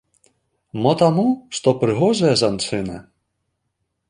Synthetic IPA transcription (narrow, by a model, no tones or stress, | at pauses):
mɔt̪amuʂt̪ɔpɾɨɣɔʐɐjɐzant̪sɨnɐ̰